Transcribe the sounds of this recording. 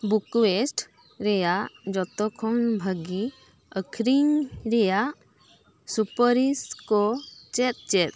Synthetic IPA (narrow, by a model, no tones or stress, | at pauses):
bukwesʈ | ɾɛjad͡ʒɔt̪ɔkʰɔnbʱəɡi | əkʰɾiŋɾɛja | supəɾiskɔt͡ʃɛt̪̚t͡ʃɛt̪̚